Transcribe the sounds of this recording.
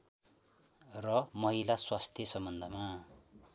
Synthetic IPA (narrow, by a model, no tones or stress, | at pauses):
rʌmʌɦilaswast̪ʰjʌsʌmbʌnd̪ʱʌma